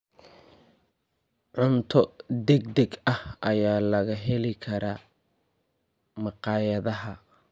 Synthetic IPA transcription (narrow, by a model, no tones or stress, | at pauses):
ʕʊnt̪ʰɔd̪ɛɡd̪ɛɡɐhʔɐjaːlɐɣɐɦɛlɪkʰɐɾaː | mɑqɑːjɐðɐɦɐ